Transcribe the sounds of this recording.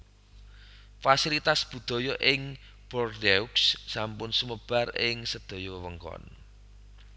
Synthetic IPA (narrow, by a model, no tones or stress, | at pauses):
fasilit̪asb̥ṳd̪̥ɔ̤jɔʔɪŋ | b̥ɔrd̪euksːampʊnsuməb̥a̤rɪŋsəd̪̥ɔ̤jɔwəŋkɔ̰n